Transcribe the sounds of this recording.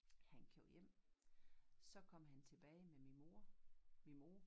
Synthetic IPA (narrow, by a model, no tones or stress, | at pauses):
hænkʰeʊ̰jem̰ | sɒ̽kʰɒ̽m̰ɦænt͡sʰe̝b̥ɛːɪmeo | mimo̝